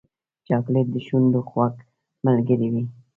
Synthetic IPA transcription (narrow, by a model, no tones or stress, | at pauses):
t͡ʃɑklet̪̚d̪əʃund̪oxwak | malɡəɾiwi